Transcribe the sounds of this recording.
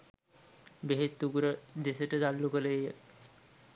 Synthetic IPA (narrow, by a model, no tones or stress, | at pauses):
beɦet̪ːuɡuɾəd̪esəʈəd̪alːukələejə